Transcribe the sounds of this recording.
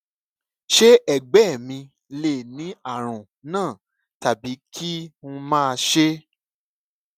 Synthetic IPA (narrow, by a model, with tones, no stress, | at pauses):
ʃe˦ɛ˦˨ɡ͡bɛ˦˨mĩ˧ | le˨nĩ˨˦a˦˨ɾ̃ũ˨ | nãː˦˨ | ta˨bi˨˦kʰi˦ũ˧mãː˦˧ʃe˦